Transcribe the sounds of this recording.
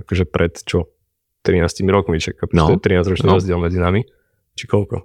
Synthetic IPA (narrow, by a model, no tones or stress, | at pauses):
akɔʒɛpɾʔɛt̪t͡ʃɔ | t̪ɾinaːscimiɾɔkmit͡ʃɛkːaput͡ʃ̪ɔɛɛt̪ɾinaːzɾɔt͡ʃniɾɔzɟɪɛlˠmɛd͡zinami | t͡ʃikɔlkɔ̰